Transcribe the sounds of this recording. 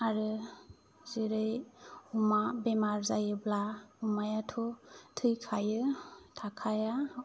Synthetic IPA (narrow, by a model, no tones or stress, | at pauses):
aɾɯ | zɯɾɯjumabemaɾzajɯblaumajatʰɔtʰɯjkʰajɯtʰakʰaja